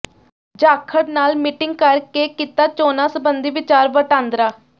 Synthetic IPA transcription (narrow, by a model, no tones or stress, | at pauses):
d͡ʒaːkʰːəɽnaːlmiːʈɪŋɡ̚kəɾkeːkiːt̪aːt͡ʃoːnaːsəbənd̪iːʋɪt͡ʃaːɾʋəʈãːnd̪ɾaː